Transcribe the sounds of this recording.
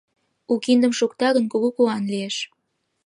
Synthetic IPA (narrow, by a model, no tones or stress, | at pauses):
ukind̪ə̆mʃukt̪ɑɣənkuɣukuɑnlieʃ